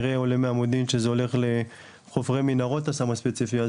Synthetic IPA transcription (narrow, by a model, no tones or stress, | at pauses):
ʁeolemeamodimʃe̞zeo̞le̞χle̞ | χovʁeminaʁo̞tasamaspet͡sifia